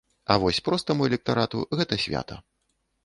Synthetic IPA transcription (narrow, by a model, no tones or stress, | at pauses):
ɐ̰vɔsʲpɾɔst̪ɐmuɛlʲɛk̚t̪aɾat̪ṵɣɛt̪ɐsʲvʲa̰t̪ɐ̰